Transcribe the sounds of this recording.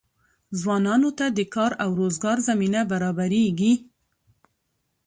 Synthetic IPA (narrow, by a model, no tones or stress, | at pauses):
zwɑnɑnot̪ad̪əkɑɾawɾozɡɑɾzaminabaɾɑbaɾeɡi